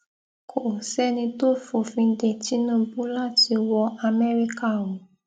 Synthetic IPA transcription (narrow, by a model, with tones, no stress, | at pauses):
kʰo˨sɛ˦nĩ˧to˦fo˨fĩ˧de˨ti˨˦nũ˦bũ˦la˦ti˧wɔ˧ʔa˧mɛ˦ɾi˦ka˦˨woũ˨